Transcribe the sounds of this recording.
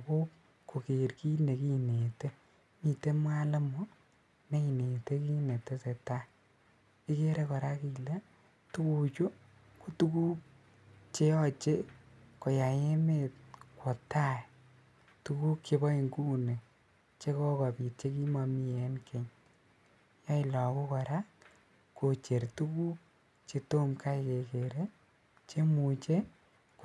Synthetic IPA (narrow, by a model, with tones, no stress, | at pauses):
ko˦ | ko˨ke˨rki˦ne˨ki˦ne˨te˦ | mi˨te˦mwa˦le˦mo˦ | ne˦i˨ne˨te˦ki˦ne˨te˦se˨ta˦ | i˦ke˦ɾe˦kɔ˨ɾa˦ki˨le˦ | tu˦ku˨t͡ʃo˦ | ku˦tu˦ku˦k̚ | t͡ʃe˦jɔ˦t͡ʃe˦ko˨ja˨je˦me˦t̚kwo˨tːa˦ɛ | tu˦ku˦kt͡ʃe˧bɔ˦i˨ŋɡu˦ne˨ | t͡ʃe˦kɔ˦kɔ˨pi˨t̚t͡ʃe˦ki˦ma˧mi˦e˦nkʰe˨ɲ | jɔ˦ɪ˦lɔ˨ku˦kɔ˨ɾa˦ | ko˨t͡ʃe˨ɾtu˦ku˦k | t͡ʃe˧to˦mka˦ike˨ke˨ɾe˦ | t͡ʃe˦mu˨t͡ʃe˦ | k